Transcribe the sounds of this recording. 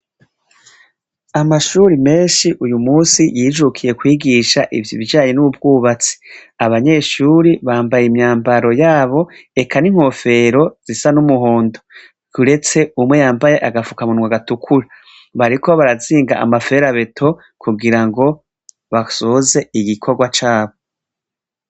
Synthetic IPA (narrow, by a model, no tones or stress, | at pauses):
amaʃuɾime̞ːnʃiʔujumuːsijiːd͡ʒukʰije̞kwiːɡiʃaʔivjiβiaːɲenuβub̚ɡuːβat͡si̥aβaɲe̞ʃuɾiβaːmbajimɲaːmbaɾo̞jaːβo̞e̞kʰaniŋ̥ho̞fe̞ɾo̞z̥isanumuɦoːndo | ɡuɾe̞t͡se̞umwe̞jaːmbaje̞ʔaɡafukamunwaɡatukʰuɾa | βaɾikʰo̞βaɾaziːŋɡaʔa̰mafe̞ɾaβe̞tʰo̞ | kuɡiɾaŋɡo̞ | βasoːze̞iɡikʰo̞ɡwat͡ʃaːβo